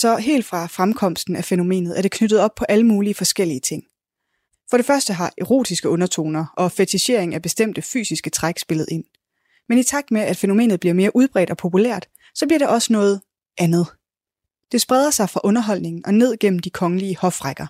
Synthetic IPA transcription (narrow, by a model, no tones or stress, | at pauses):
sɒ̽ɦe̝̰ːld̥fʁɑ̈fʁamkʰɒ̽m̰sd̥n̩æfeno̝me̝̰ːnð̞̩ˠæɐɾe̝kʰnøɾ̥ð̞̩ˠɒ̽b̥̚pʰɒ̽ʔæləmuːliəfɒ̽sɡ̥el̰iət͡sʰe̝ŋ̰ | fɒ̽ɾ̥e̝fɶɐsd̥əɦɑ̈ʔe̝ʁo̝̰ːd̥isɡ̥əɔ̽nɐt͡sʰo̝̰ːnɐʔɒ̽fet͡sʰiɕe̝ɐ̰eŋ̩æb̥e̝sd̥em̰d̥əfy̰ːsisɡ̥ət͡sʰʁaɡ̥sb̥e̝lð̩ˠe̝n̰ | menit͡sʰɑ̈ɡ̥̚d̥meæd̥fe̝nome̝̰ːnð̩ˠbliɐme̝ːɐʔuð̞ˠb̥ʁɛ̰ːd̥ɒ̽pʰo̝pʰulæ̰ɐ̰d̥ | sɒ̽b̥liɐɾ̥eʔɒ̽sənɔ̽ːð̞̩ˠ | ʔænð̞̩ˠ | d̥e̝sb̥ʁɛð̞ˠɐsɑ̈ɪfʁɑ̈ʔɔ̽nɐɦɒ̽l̰ne̝ŋn̩ʔɒ̽ne̝ð̞̰ˠɡ̥em̰m̩d̥ikʰɒ̽ŋəliəhɒ̽fʁaɡ̥ɐ